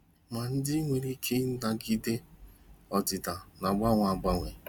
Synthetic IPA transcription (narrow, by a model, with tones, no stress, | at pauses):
ma˨n̩˦dɪ˦ŋʷe˨ɾi˦kʰe˦n̩˦da˦ɡi˦de˦ | ɔ˨dɪ˨ta˨na˨ɡ͡ba˦ŋʷa˨ɡ͡ba˦ŋʷe˨